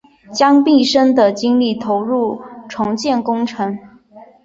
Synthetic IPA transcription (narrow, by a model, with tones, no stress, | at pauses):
t͡ɕjɑ˥ŋpi˥˩ʂə˥nd̪ə˨t͡ɕi˥ŋli˥˩t̪ʰo˧˥ʊɻu˥˩ʈ͡ʂʰʊ˧˥ŋt͡ɕjɛ˥˩nkʊ˥ŋʈ͡ʂʰɤ˧˥ŋ